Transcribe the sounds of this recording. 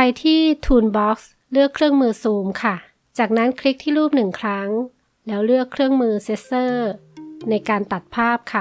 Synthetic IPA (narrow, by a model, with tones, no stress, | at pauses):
pa˧jt̪ʰiː˥˩t̪ʰuː˧nbɔː˦˥k̚s | lɯ˥˩əkʰːɾɯ˥˩əŋmɯː˧suː˧mkʰa˥˩ | t͡ɕaː˨˩k̚na˦˥nkʰɾi˦˥k̚t̪ʰiː˥˩ɾuː˥˩p̚nɯ˨˩ŋkʰɾa˦˥ŋ | lɛː˦˥wɾɯ˥˩əkʰɾɯ˥˩əŋmɯː˧se˦˥sɤː˥˩na˧jkaː˧nt̪a˨˩t̪̚pʰaː˥˩p̚kʰa˥˩